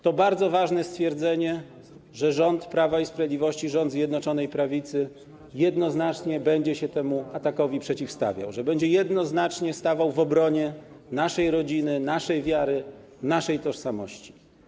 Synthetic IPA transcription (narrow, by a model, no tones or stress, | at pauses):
t̪ɔbaɾd̪zɔvaʐnɛst̪fʲjɛɾd̪zɛɲɛ | ʐɛʐɔnt̪pɾavaispɾavʲjed̪lʲivɔɕt͡ɕiʐɔnd̪zʲjɛd̪nɔt͡ʂɔnɛjpɾavʲit̪sɘ | jɛd̪nɔznat͡ʂɲɛbɛɲd͡ʑɛɕɛt̪ɛmuat̪akɔvʲipʂɛt͡ɕifst̪a̰vʲja̰wʐɛbɛɲd͡ʑɛjɛd̪nɔznat͡ʂɲɛst̪avawvɔbɾɔɲɛ | naʂɛjɾɔd͡ʑinɘnaʂɛjvʲjaɾɘ | naʂɛjt̪ɔʂsamɔɕt͡ɕi̥